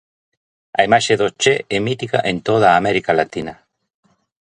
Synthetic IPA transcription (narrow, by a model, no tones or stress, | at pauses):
a̰imaʃeðot͡ʃeɛmit̪ika̰ʔẽnt̪oð̞aːmɛɾikalat̪inɐ